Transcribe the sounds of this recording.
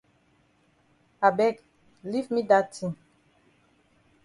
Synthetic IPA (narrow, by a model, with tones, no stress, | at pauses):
a˨bɛ˦k | li˦vmi˦da˦tʰĩŋ